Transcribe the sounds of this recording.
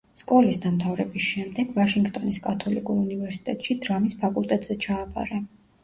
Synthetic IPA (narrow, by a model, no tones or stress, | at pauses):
skʼɔlisd̪anmt̪ʰavɾɛbisʃɛmd̪ɛɡ̥vaʃiŋɡt̪ʼɔniskʼat̪ʰɔlikʼuɾunivɛɾsi̥t̪ʼɛt̪ʼʃid̪ɾamispʰakʼulˠt̪ʼɛt̪ʼz̥ɛt͡ʃʰaːpʼa̰ɾɛ